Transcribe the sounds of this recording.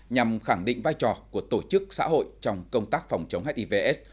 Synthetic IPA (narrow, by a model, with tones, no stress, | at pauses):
ɲa˨˩mxa˧˩ŋɗḭ˧˨ŋ̟vaː˧jt͡ɕɔ˨˩ku˧˩ət̪o˧˩t͡ɕɨ˦˥k̚sa̰ː˧˥ɦo̰˧˨jt͡ɕɔ˧wŋ͡mkə˧wŋ͡mt̪aː˦˥k̚fɔ˨˩wŋ͡mt͡ɕə˨˦wŋ͡mɦɛ˦˥t̚ʔi˧ve˧ʔɛ˦˥s